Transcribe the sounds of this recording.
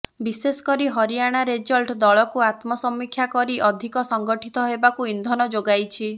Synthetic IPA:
bisesɔ̥kɔɾiɦɔɾijaɽ̃aɾed͡ʒɔlʈd̪ɔɭɔkuat̪mɔsɔmːikʰːjakɔɾiʔɔd̪ʱikɔsɔŋɡɔʈʰit̪ɔɦebakuind̪ʱɔnɔd͡ʒoɡajt͡ʃʰi

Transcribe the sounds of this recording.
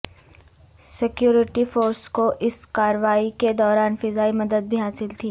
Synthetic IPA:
sɪkjuːɾɪʈifoːɾskoʔɪskaːɾʋaːiked̪ɔːɾaːnfɪzaːimɐd̪əd̪̚bʱiɦaːsɪlt̪ʰiː

